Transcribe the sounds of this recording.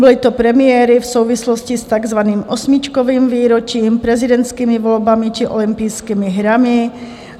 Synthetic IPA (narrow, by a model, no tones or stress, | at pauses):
bɔlit̪ɔpɾɛmɪɛːɾifsuʊʋislɔscist̪aɡzʋaniːmʔɔsmit͡ʃkɔʋiːmviːɾɔt͡ʃiːmpɾɛzid̪ɛnt̪skiːmiʋɔlbamit͡ʃiʔɔ̰limpiːskiːmiɦɾami